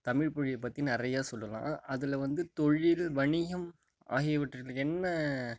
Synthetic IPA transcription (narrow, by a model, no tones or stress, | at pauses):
t̪ɐmɪɻpɔɻɪjɐpːɐt̪ːinɪrɐjaːsɔlːɐlã̰ːɐðɪlʋɐnd̪ɯt̪ɔɻɪlʋɐɳɪɣɐm | a̰ːɣɪjɐʋɪʈːɐɾkɐɭɯkːɛnːɐ